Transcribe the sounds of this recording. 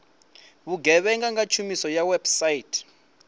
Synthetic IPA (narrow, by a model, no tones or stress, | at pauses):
βuɡɛɓɛŋɡaŋat͡ʃʰumisɔjawɛb̥sajitʰ